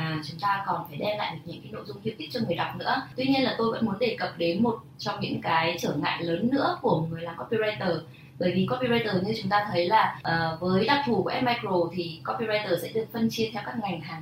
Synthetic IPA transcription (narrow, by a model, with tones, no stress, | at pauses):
aː˨˩t͡ɕʊ˨˦ŋ͡mt̪aː˧kɔ˨˩nfaː˧˩jɗɛ˧la̰ː˧˨jɗɨ˨˩ɲɨ̰˧˥ŋkaː˨˦jno̰˧˨jzʊ˧ŋ͡mhi˧wki˦˥k̚t͡ɕɔ˧ŋɨ˨˩əjɗa˨˩wk͡p̚nɨ̰˧˥ət̪wi˧ɲi˧ənlaː˨˩t̪o˧jvə̰˧˥nmu˨˦ənɗe˨˩kə˨˩p̚ɗe˨˦nmo˨˩t̚t͡ɕɔ˧wŋ͡mɲɨ̰˧˥ŋkaː˨˦jt͡ɕəː˧˩ŋa̰ː˧˨jləː˨˦nːɨ̰˧˥əku˧˩əŋɨ˨˩əjlaː˨˩mkɔ˦˥pi˧za˧jt̪əː˨˩ | ɓəː˧˩jvi˨˩kɔ˦˥pi˧za˧jt̪əː˨˩ɲɨ˧t͡ɕʊ˨˦ŋ͡mt̪aː˧t̪ʰə˨˦jlaː˨˩ʔəː˨˩vəː˨˦jɗa˨˧˩p̚t̪ʰu˧˩ku˧˩ʔɛ˦˥maː˧jko˨˩t̪ʰi˨˩kɔ˧˥pi˧za˧jt̪əː˨˩sɛ̰˧˥ɗɨ˨˩ək̚fə˧nt͡ɕi˧ət̪ʰɛ˧wkaː˦˥k̚ŋa˨˩jŋɦaː˨˩ŋ